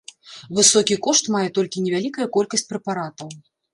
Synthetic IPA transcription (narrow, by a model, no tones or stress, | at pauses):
vɨsɔkʲikɔʂt̪majɛt̪ɔlʲkʲinʲɛvʲalʲikɐjɐkɔlʲkɐsʲt͡sʲpɾɛpaɾat̪ɐw